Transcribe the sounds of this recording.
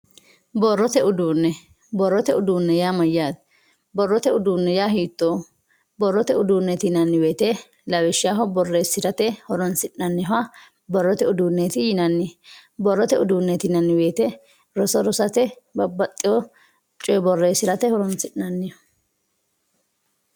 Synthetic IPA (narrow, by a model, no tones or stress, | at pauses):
bɔrːɔt̪ɛʊd̪uːnːɛ | bɔrːɔt̪ɛʊd̪uːnːɛjaːmɐjːaːd̪ | bɔrːɔt̪ɛʊd̪uːnːɛjaːɦiːt̪ːoː | bɔrːɔt̪ɛʊd̪uːnːɛt̪ɪnɐnːɪweːt̪ɛ | lɐwɛʃɪjaːɦɔbɔrːeːsɪɾɐt̪ɛhɔɾɔnsɪᶑnɐnːɪɐ | bɔrːɔt̪ɛʊd̪uːnːet̪ɪjɪnɐnːɪbɔrːɔt̪ɛʊd̪uːnːɛt̪ɪnɐnːɪwe̞ːt̪ɛ | ɾɔsɔɾɔsɐt̪ɛbɐbːɐt̪ʼːɪjɔ | t͡ʃʼɔjbɔrːeːsɪɾɐt̪ɛhɔɾɔnsɪʔnɐnːɪɔ̥